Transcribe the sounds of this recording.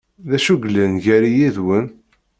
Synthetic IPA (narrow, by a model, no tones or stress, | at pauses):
ðæʃuɡlənʝæɾijiðwən